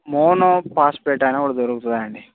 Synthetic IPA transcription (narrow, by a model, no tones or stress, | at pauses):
mɔːnopaːspeːʈaːneːkuːɽaːd̪oɾukut̪und̪aːjɐɳɖi